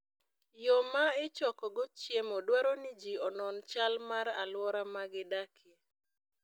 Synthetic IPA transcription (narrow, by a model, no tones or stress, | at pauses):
jomaɪt͡ʃɔkɔɡɔt͡ʃjemɔdwaɾɔnɪd͡ʒiɔnɔnt͡ʃalmaɾalwɔɾamaɡɪdakʰe